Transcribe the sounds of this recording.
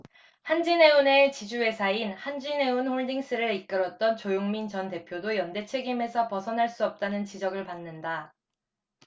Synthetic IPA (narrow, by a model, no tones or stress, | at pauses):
hand͡ʑine̞une̞t͡ɕid͡ʑue̞sʰainhand͡ʑine̞unɸoɭdiŋs͈ɯɾɯik̚k͈ɯɾʌt̚t͈ʌnt͡ɕojoŋmint͡ɕʌnte̞pʰjodojʌnde̞t͡ɕʰe̞ɡime̞sʰʌpʌsʰʌnɦaɭs͈uʌp̚t͈anɯnt͡ɕid͡ʑʌɡɯɭpanːɯnda